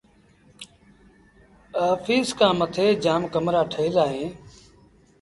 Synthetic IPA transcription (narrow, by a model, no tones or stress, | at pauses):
əːfiːskãːmət̪ʰeːd͡ʒaːmkəmɾaːʈʰəɦɪlaːɦẽː